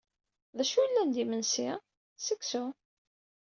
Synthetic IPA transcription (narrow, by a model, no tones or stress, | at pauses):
ðæʃulːænd̪imənsi | səksu